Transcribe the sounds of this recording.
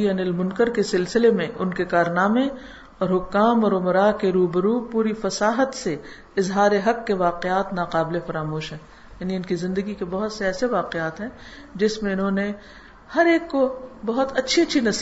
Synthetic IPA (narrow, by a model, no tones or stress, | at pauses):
iɐnɪlmʊnkəɾkesɪlsɪlemẽʔʊnkekaːɾnaːme | ɔːɾɦʊkːaːmɔːɾʊmɾaːkeɾuːbəɾuːpuːɾifɐsaːɦət̪se | ɪzɦaːɾeɦɐkːeʋaːqeaːt̪naːqaːbɪlefɐɾaːmoːʃɦɛ̃ː | jaːniʊnkizɪ̃nd̪əɡikebɐɦʊt̪seɛːseʋaːqeaːt̪ɦɛ̃ː | d͡ʒɪsmẽʊnɦõːne | hɐɾeːkːobɐɦʊt̪ɐtːʃʰiɐtːʃʰinɐs